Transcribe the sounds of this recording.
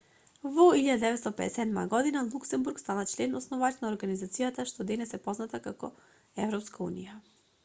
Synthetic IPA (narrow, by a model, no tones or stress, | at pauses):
vɔiʎad̪ad̪ɛvɛt̪st̪ɔpɛd̪ɛsɛd̪ma̰ɡɔd̪inalˠuksɛmbuɾkst̪anat͡ʃlɛnːaɔsnɔvat̪naɔɾɡanizat̪sijat̪aʃt̪ɔd̪ɛnɛsɛpɔznat̪akakɔ̰ | ɛvɾɔpskaṵnija